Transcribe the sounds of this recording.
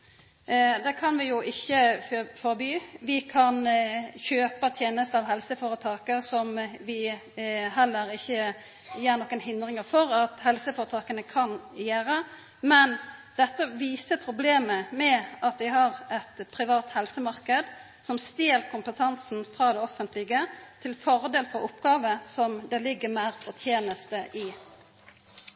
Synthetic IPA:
d̪ɛkʰɑnʋɪjʊʔɪçːəffɔɾbyːʋɪkʰɑnçøːpət̪ʰjeːnəst̪əɑʋɦɛlsəfoːʁɾət̪ʰɑːkəsɔmʋɪ | ɦɛlːəɾɪçːə | jeːʁnɔkːənhɪnd̪ɾɪŋəfɔɾɑt̪hɛlsəfɔːɾət̪ʰɑːkənəkʰɑnjæːɾə | mɛnd̪̥ɛt̪ːəʋiːsəpʰɾʊbleːməmɛʔɑt̪ʋɪɦɑʁɛt̪pʰɾɪʋɑːt̪hɛlsəmɑɾkəd̪ | sɔmst̪eːlkʰʊmpət̪ʰɑnsn̩fʁɑːd̪ɛɔfənt̪ʰlɪɡət̪ʰɪlfɔɾd̪eːlfɔɾʊpːɡɑːʋəsɔmd̪ɛlɪɡːəmæɪʁfɔt̪ʰjeːnəst̪əʔɪ

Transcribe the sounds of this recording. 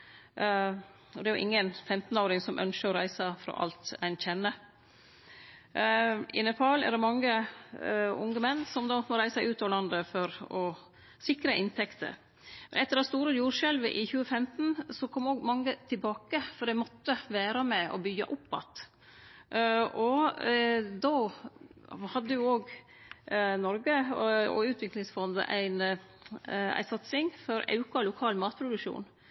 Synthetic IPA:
ɔd̪ɛæɾjʊ̰ʔɪ̰ŋːənfɛmt̪noːɾɪŋsɔmʔœ̰nʃəɾɔɾæɪsəfɾɑ̰ːʔɑ̰lt̪æɪnçɛnːə | ɪ̰nəpʰɑːlɛ̰ɾɖ̪ɛmɑŋːə | ʊ̰ŋɡəmɛnːsɔmd̪ɑːmɔɾæɪsæɪʉːt̪ɑːʋlɑnd̪əfɔɾɔ | sɪkɾəʔɪnt̪ʰɛkt̪ʰə̰ɾ | mɛ̰nɛt̪ːəɾɑtst̪uːɾəjuːɾʂɛlʋəʔɪçʉːəfɛmt̪n̩sɔkʰɔmːoːɡmɑŋːət̪ʰɪlbɑːkəfɔɖ̪ɛmɔt̪ːəʋæːɾɑmɛɔ̰bʏɡːɑ̰ʔʊpːɑ̰t̪ | ʔɔ | d̪oː | hɑd̪ːəjʊoːɡ | nɔɾɡəɔ̰ʉːt̪ʰʋɪklɪŋsfɔnd̪ə̰ʔæ̰ɪn | æ̰ɪsɑt̪sɪŋfɔɾɑ̰ʉkɑlʊkʰɑːlmɑːt̪̚pʰɾʊd̪ʉkʂṵːn

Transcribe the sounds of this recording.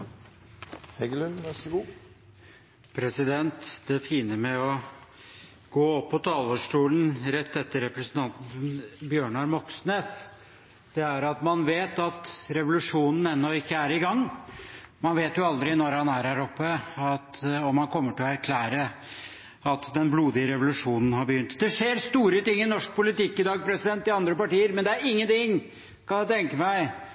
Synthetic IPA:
hɛɡl | pʰɾɛsɪd̪ɛnt̪d̪ɛfiːnəmɛɔ | ɡ̥oːɔpːɔt̪ʰɑːləʂʈuːln̩ɾɛt̪ːɛt̪ːəɾɛpɾɛsnt̪ʰɑnt̪n̩nbjøːɳɑɾmɔksneːs | d̪̥ɛæɾɑt̪mɑnʋeːt̪ɑt̪ɾɛʋʊlʉʂuːnn̩ɛnːɔɪkːəæɾɪɡɑŋː | mɑnʋeːt̪jʊɑld̪ɾɪnɔɾhɑnæɾhæːɾɔpːəɑt̪ɔmːɑnkʰɔmːəʈɪlɔæɾkʰlæːɾə | ɑt̪d̪ɛnbluːd̪ɪəɾɛʋʊlʉʂuːnn̩hɑɾbəjʏnt̪d̪ɛʂeːɾst̪uːɾət̪ɪŋːɪnɔʂk̚pʰʊlɪt̪ɪkːɪd̪ɑːɡ̚pʰɾɛsɪd̪ɛnt̪ːɪɑnd̪ɾəpɑʈiːəɾmɛnd̪ɛæɾɪŋːənt̪ɪŋ | kʰɑnjæt̪ʰɛŋkəmæɪ

